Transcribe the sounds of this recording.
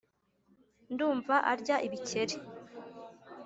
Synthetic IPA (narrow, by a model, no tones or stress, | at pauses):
nduːɱvaʔaɾɟaʔiβice̞ɾe